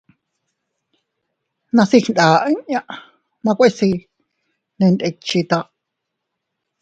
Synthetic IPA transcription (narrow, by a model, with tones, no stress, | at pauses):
nã˧si˧hnd̪aː˨ʔɲʔã˦˧ʔ | nã˧kʷe˦si˧ | nẽ˧nd̪e˧t͡ʃi˧t̪a˧ʔ